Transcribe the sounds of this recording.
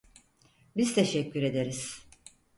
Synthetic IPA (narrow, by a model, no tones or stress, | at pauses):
biz̥t̪ʰeʃɛcːyɾe̞d̪eɾiz̥